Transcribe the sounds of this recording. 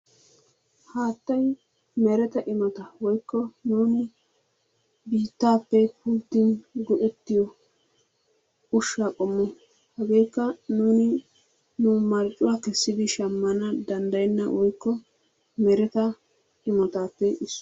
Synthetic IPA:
haːt̪ːɐj | mɛɾɛt̪ɐʔɪmɔt̪ɐwɔjkːɔnuːnɪ | biːt̪ːaːpːɛpuːt̪ːɪnɡɔʔɛt̪ːɪjɔ | ʊʃːakʼɔmːɔ | hɛɡe̞ːjkːɐnuːnɪ | nʊmɐɾt͡ʃʼʊwaːkɛsːɪd̪ɪʃɐmːɐnɐd̪ɐnd̪ɐjɛnːɐwɔjkːɔ | mɛɾɛt̪ɐ | ɪmɔt̪aːpːɛɪsː

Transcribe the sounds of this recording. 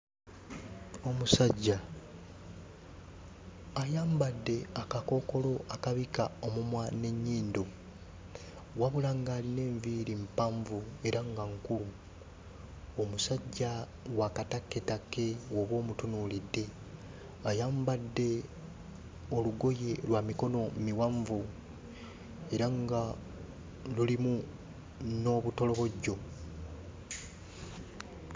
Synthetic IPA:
o̞musaɟːa | ajaːmbadːe̞akako̞ko̞lo̞ʔakaβikao̞mumwane̞ɲːiːndo̞ | waβulaŋɡaːline̞ːɱviːɾimpaɱvue̞ɾʔaŋɡaŋkum | o̞musaɟːa | wakatakːetake̞woβwo̞ːmutunuːlidːe̞ | ajaːmbadːe̞ | o̞luɡo̞je̞lwaːmiko̞no̞miwaɱvu | e̞ɾaŋɡa | lulimu | no̞ːβuto̞lo̞βo̞ɟːo̞

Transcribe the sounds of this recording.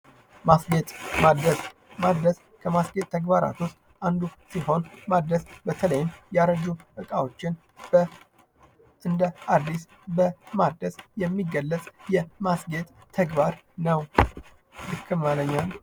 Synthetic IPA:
masɡet̪ʼmad̪əs | mad̪əs | kʰəmasɡet̪ʼt̪ʰːəɡbaɾa̰t̪wʊst̪ʼ | and̪usiho̞nmad̪əsbət̪ʰələjɪmjaɾəd͡ʒuʔɨkʼawo̞t͡ʃːɪn | b̥ə | ʔɨnd̪əad̪ːis | bəmad̪əsjɛmːiɡəlːət͡sʼjɛmasɡet̪ʼ | t̪ʰəɡbaɾ | nəw | lɨkʰːɨmaləɲːal

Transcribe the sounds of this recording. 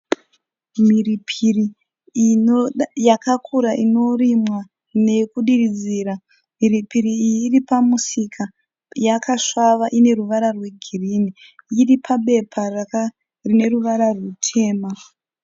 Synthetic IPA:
miripʰiri | jakakʰuɾaʔino̞rimwa | ne̞kuɗirid͡ziːɾa | miripiɾiːjiːripamusikʰa | jakʰaʂaʋaʔine̞ruʋaɾarwe̞ɡʱiriːniiripʰaɓe̞pʰara | rine̞ruʋaɾarutʰe̞ːma

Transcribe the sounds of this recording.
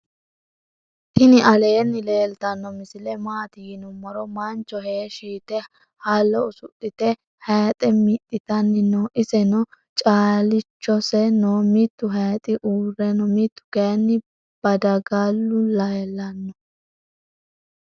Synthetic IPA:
t̪ɪnɪʔɐleːnːɪle̞ːlt̪ɐnːɔmɪsɪlɛmaːt̪ɪjɪnʊmɔɾɔmɐnt͡ʃːɔɦeːʃiːt̪ɛ | halːɔʊsʊ̰tːɪt̪ɛ | hɛjt̪ʼɛmɪt̪ʼːɪt̪ɐnːɪnoːʔɪsɛnɔ | t͡ʃʼaːlɪt͡ʃːɔsɛnoːmit̪ːʊɦɐjt̪ʼɪʔuːrːɛnɔmit̪ːʊ̥ɡejɐnːɪ | b̥ɐd̪ɐɡɐlːʊlɐjɛlːɐnːɔ

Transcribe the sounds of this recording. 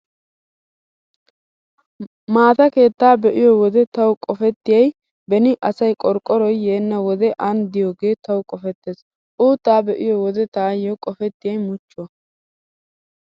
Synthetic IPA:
maːt̪ɐke̞ːt̪ːaːbɛʔɪjɔwɔd̪ɛt̪ɐwkʼɔfɛt̪ːɪjɐj | bɛnɪʔɐsɐjkʼɔɾkʼːɔɾɔjːeːnːɐwɔd̪ɛʔɐnd̪ɪjoːɡe̞ːt̪ɐwkʼɔfɛt̪ːeːs | ʔuːt̪ːaːbɛʔɪjɔwɔd̪ɛt̪aːjɔkʼɔfɛt̪ːɪjɐjmʊt͡ʃːɔ

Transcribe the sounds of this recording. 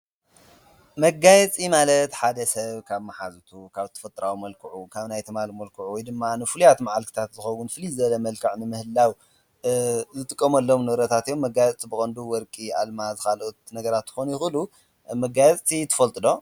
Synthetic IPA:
mɐɡːajɛt͡sʼimalɐt̪ħad̪ɐsɐβkʰaβmaħazt̪ʰukʰaβt̪ʰɐ̥fɐt̪ʼɾawmɐlkʰɨʕukʰaβnajt̪ʰɨmalmɐlkʰɨʕuwɔjd̪ɨmːanɨfulujat̪maʕalkʰɨ̥t̪ʰat̪zɨxɐwunfɨlizɐlɐmɐlkʰɨʕnɨmɨhɨlːaw | zɨt̪ʼɨkʼːɐmɐlːo̞mnɨβɾɐt̪ʰat̪ijomːɐɡajɛt͡sʼt͡sʼibɨkʼɐnd̪uwɔɾkʼia̰lmazɨxalot̪nɐɡɐɾat̪ːɨ̥xonujɪxɨlu | mɐɡajɛt͡sʼt͡sʼit̪ʰɨ̥fɐlt̪ʼɨd̪o̞

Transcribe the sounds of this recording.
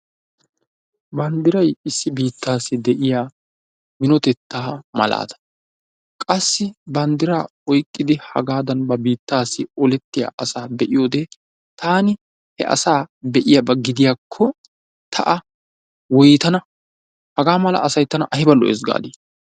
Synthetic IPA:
bɐnd̪ɪɾɐjɪsːɪbiːt̪ːaːsːɪd̪ɛʔɪjaː | mɪnɔt̪ɛt̪ʰːaːmɐ̰la̰ːd̪ɐ̥ | kʼɐsːɪbɐnd̪ɪɾaː | ɔjkʼːɪd̪ɪhɐ̰ɡaːd̪ɐnbɐbiːt̪ːaːsːɪɔlɛt̪ːɪja̰ʔɐsaːbɛʔɪjo̞ːd̪ɛ | t̪ʰaːnɪ | hɛ̰ʔɐ̰saːbɛʔɪjabɐɡɪd̪ɪjakʰːɔ | t̪ʰɐʔɐ | wɔjt̪ɐnɐ | hɐɡaːmɐlɐ̰ɐsɐjt̪ːɐnɐ̰ʔɐhɪbɐlːɔ̰ʔɛ̰zɡa̰ːd̪iː

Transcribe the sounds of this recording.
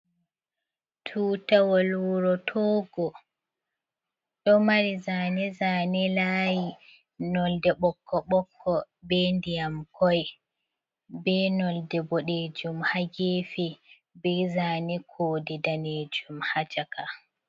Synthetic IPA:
tʰuːtawɔlwuɾɔtʰɔɡɔ | ɗɔmaɾizanɛzaːnɛlaji | nɔldɛɓɔkʰːɔɓɔkʰːɔ | bɛndijamkʰɔj | bɛnɔldɛbɔɗed͡ʒumhaɡefi | bɛzaːnɛkʰoːdidaned͡ʒumhat͡ʃaka

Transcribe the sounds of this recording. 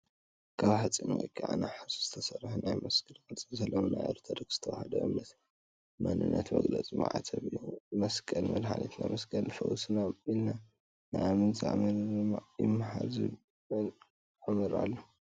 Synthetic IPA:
kʰaβħat͡sʼinɐ̰kʼʰːaʕa̰naħasz̥ɨt̪ʰɐsɐrħunajmɐskʼɨlkʼɨlt͡sʼizɐlːonuna̰jɾt̪ʰɐɾɨɡz̥ɨ̥t̪ʰɐwahɐd̪ɐ̰ʔɨmːɐt̪ | manɨnːɐt̪mɐɡlɐt͡sʼima̰ʕat̪ʰɐβumɐskʼɐlmɐd̪ħalḭt̪namɐskʼɐlfɐ̰wusɨnaɨlna | naamɨnza̰ʕamɨɾɨmajɪmːaħalzɨ | ɨn | ʕamɨɾalːo

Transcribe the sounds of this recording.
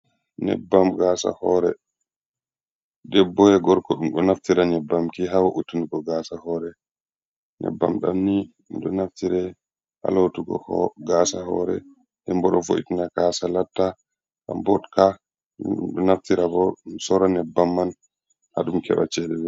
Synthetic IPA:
nɛ̰bːamɡaːsa̰hɔɾɛ | ɗɛbːɔjɛɡɔɾkɔɗumɗɔnaftiɾanɛbːamkiɦawaʔutːiniɡɔɡasahɔːɾɛ | nɛ̰bːa̰mɗa̰mni | ɗɔnaftiɾɛ | ha̰latuɡɔ̰hɡasahɔ̰ɾɛ̰ | hɛmbɔɗɔfo̰ʔḭtinakasalatːa | ka̰mbɔtkʰa | ɗɔnaftiɾabɔsɔɾanɛbːamːan | ha̰ɗumkɛ̰ɓa̰t͡ʃɛɗɛb

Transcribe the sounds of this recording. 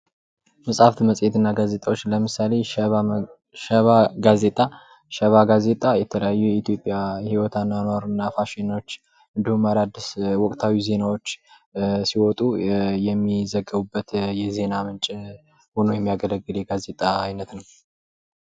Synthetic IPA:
məsʼaft̪məsʼjet̪ɨnːaɡazet̪ʼawo̞t͡ʃːləmɨsale̞ | ʃəβaɡaze̞t̪ʼa | ʃəβaɡaze̞t̪ʼajɛt̪ʰələjajːujɛit̪jo̞pʼjahiwɔt̪ʰanːanwaɾnːafaʃinoot͡ʃː | ʔɨnd̪ihumːaɾad̪ːɨswɔkʼt̪ʰawize̞nawot͡ʃː | siwɔt̪ʼujɛmːizəɡːəβubːət̪jɛze̞namɨnt͡ʃʼ | honojɛmːijaɡələɡːɨljɛɡaze̞t̪ʼaːjnət̪nəw

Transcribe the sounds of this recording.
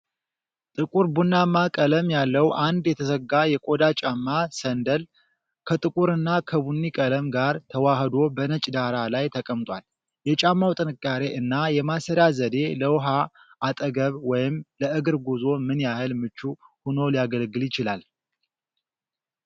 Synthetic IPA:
t̪ʼɨkʼuɾbunːamːakʼələmjalːəwʔand̪jɛt̪ʰəsəɡajɛkʼo̞d̪at͡ʃʼamːasənd̪əl | kʰət̪ʼɨkʼuɾɨnːakʰəβunːikʼələmɡaɾt̪ʰəwahəd̪o̞bənət͡ʃʼd̪aɾalajt̪ʰəkʼəmt̪ʼwal | jɛt͡ʃʼamːawt̪ʼɨnɨkʼːaɾe̞ʔɨnːajɛmasəɾjazəd̪e̞ləwɦaː | t̪ʼəɡəβwɔjɪmləʔɨɡɨɾɡuzo̞mɨnjahɨlmɨt͡ʃːuhuno̞lijaɡəlɡɨljɪt͡ʃɪlal

